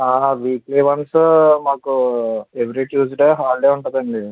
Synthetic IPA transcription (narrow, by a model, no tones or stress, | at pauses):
aːʋiːkliːʋɐnsmaːkueʋɾiʈjuːd͡ʒɖeːɦaːɭɖeːuɳʈɐd̪ɐɳɖi